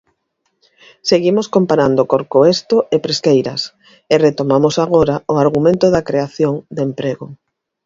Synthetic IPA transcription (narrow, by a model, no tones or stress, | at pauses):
seɣimoskompaɾand̪okoɾkoest̪oepɾeskejɾɐs | ɪret̪omamʊsaɣ̞oɾaʊaɾɣumẽnt̪ʊðɐkɾeaθjoŋd̪empɾeɣʊ